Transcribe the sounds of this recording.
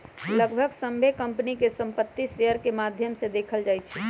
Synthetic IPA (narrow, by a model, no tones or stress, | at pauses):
ləɡbʱəɡsə̃mbʱekəmpnikesə̃mpət̪ːisejəɾkemaːd̪ʱjəmsed̪eːkʰəld͡ʒaːjt͡ʃʰɛ